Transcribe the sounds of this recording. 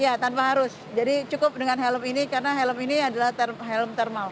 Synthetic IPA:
jat̪anpaɦaɾʊs | d͡ʒadit͡ʃukʊp̚dəŋanɦɛləminikaɾənaɦeləminiadalaht̪ərɦeləmt̪ɛrmal

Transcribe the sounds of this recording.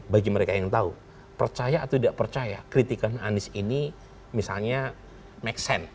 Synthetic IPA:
baɡiməɾekajaŋt̪au | pərt͡ʃajaːt̪udaʔpərt͡ʃajakɾit̪ikana̰nɪsini | misa̰lɲa | mɛksɛn

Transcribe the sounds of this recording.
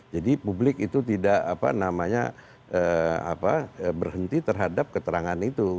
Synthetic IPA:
d͡ʒadipublɪkit̪ut̪idaʔapa̰namaɲa̰ | əa̰paəbərhənt̪it̪ərɦadap̚kət̪əɾaŋanit̪u

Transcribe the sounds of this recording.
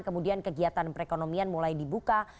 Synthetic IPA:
kəmudiankəɡiat̪anpəɾekonomianmulajdibuka

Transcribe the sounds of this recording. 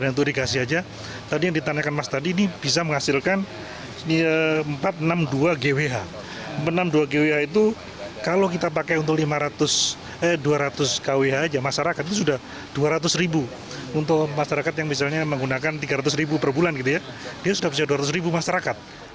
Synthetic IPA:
dant̪udikasɪɦad͡ʒa | t̪adijaŋdit̪aɲakanmast̪adiːnib̥is̬aməŋhasɪlkan | nəəmpat̪̚namduaɡeweɦa | mpat̪namduaɡeweɦait̪̬u | kalokit̪ap̬akaunt̪ʊklimaɾat̪ʊs | əduaɾat̪ʊskaweɦaːd͡ʒamaʃaɾakat̪̚it̪usudah | d̥uaɾat̪̬ʊsɾibu | unt̪ʊkmaʃaɾakat̪jaŋmis̬alɲaməŋɡunakant̪iɡaɾat̪ʊsribupərbulanɡit̪ujadiasudapusaduaɾat̪ʊs̬ribumaʃaɾakat̪̚

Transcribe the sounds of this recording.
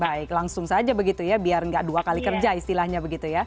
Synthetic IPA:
baɪklaŋsʊŋsad͡ʒabəɡit̪ujabiarŋɡaʔduakalikərd͡ʒaist̪ilahɲabəɡit̪uja

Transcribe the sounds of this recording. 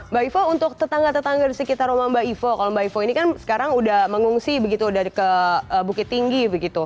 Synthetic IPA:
baifount̪ʊk̚t̪ət̪aŋɡat̪ət̪aŋɡadisəkit̪aromambaifokalombaifoinikansə̥kaɾaŋudahməŋuŋsibəɡit̪uːdahkəəːbukɪt̪ːiŋɡibəɡit̪u

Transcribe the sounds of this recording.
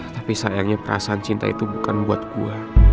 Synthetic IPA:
t̪apisajaŋɲapəɾa̰saːnt͡ʃint̪a̰ḭt̪ubukanbuat̪̚ɡua

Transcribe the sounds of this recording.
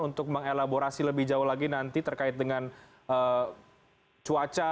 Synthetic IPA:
unt̪ʊk̚məŋelaboɾasiləbɪhd͡ʒauhlaɡinant̪it̪ərkaɪt̪̚dəŋan | ə | t͡ʃuat͡ʃa

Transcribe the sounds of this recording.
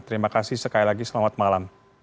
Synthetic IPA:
t̪əɾimakasɪhsəkailaɡisəlamat̪̚malam

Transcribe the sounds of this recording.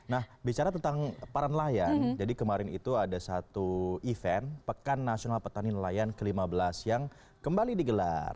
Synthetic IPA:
nahbit͡ʃaɾat̪ənt̪aŋpaɾanlajand͡ʒadikəmaɾɪnḭt̪uadasat̪uifɛnpəkanːasionalpət̪aninəlajankəlimabəlasjaŋ | kəmbalidiɡəla̰r

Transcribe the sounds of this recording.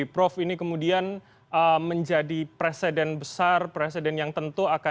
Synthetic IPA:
pɾɔfinikəmudian | əməɲd͡ʒadipɾesedɛnbəsarpɾesedɛnjaŋt̪ənt̪uaka

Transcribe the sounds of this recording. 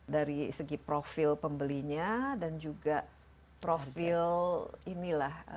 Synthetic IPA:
daɾisəɡipɾofilpəmbəliɲadand͡ʒuɡa | pɾofilinilah

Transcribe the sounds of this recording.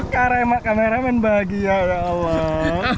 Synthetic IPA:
kaɾemaʔkameɾamɛnbaɡijaja | la

